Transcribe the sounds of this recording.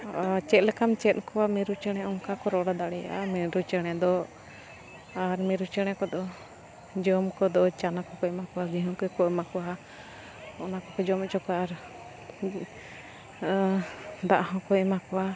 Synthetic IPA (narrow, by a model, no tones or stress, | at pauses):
t͡ʃɛt̪̚lɛkamt͡ʃɛt̪̚ˀkɔwamiɾut͡ʃɛɽ̃ɛɔŋkakɔɾɔɽad̪aɽɛja̰ʔamiɾut͡ʃɛɽ̃ɛd̪ɔ | aɾmiɾut͡ʃɛɽ̃ɛkɔd̪ɔ | d͡ʒɔmkɔd̪ɔt͡ʃanakɔkɔɛmakɔwaɡiɦɔ̃ŋkɛkɔɛmakɔwa | ɔnakɔkɔd͡ʒɔmɛt͡ʃɔkaaɾ | d̪aʔaɦɔ̃kɔɛmakɔwa